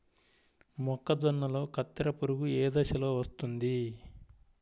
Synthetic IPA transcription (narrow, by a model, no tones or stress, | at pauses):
mɔkːɐd̪ɔnːɐlo̞ːkʰɐt̪ːɐɾɐpuɾuɡueːd̪ɐʃɐloːʋɐst̪und̪i